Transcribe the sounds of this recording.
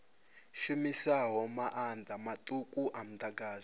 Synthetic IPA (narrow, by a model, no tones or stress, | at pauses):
ʃumisaɦɔmaʔandʱamatʼukʼuʔam̩taɡaːzi